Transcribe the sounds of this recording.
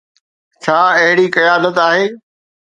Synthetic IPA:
t͡ɕʰaːɐɦɪɽikɐjaːnət̪aːɦeː

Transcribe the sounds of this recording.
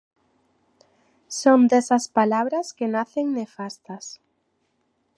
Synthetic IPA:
sond̪esɐspalaβɾɐskenaθeŋnefast̪ɐs

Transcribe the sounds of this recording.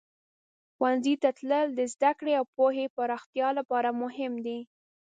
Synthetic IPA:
xwanzit̪at̪ləld̪əzd̪akɽeawpoɦepaɾɑxt̪jɑlapɑɾamʊɦɪmd̪i

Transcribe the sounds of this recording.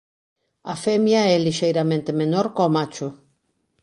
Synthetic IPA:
afemjaɛliʃejɾamẽnt̪emenoɾkomat͡ʃo

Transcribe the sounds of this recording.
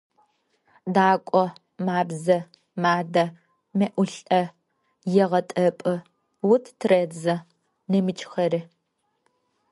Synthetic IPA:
daːkʷʼɔ | maːbzɐ | maːdɐ | mɐʔʷʊɬʼɐ | jɛʁɐtʼɐpʼɨ | wʊtʰtʰred͡zɐ | nɐmɨt͡ʃʰʼxɐɾi

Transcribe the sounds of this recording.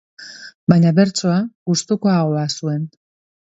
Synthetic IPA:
baɲaβe̞ɾt͡soaɣust̪uko̞aɣo̞asue̞n

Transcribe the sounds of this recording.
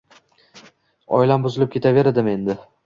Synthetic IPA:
ɒ̰jɪlambʊzɪlɪp̚kʲʰe̞t̪ʰave̞ɾad̪ɪme̞nd̪ɪ

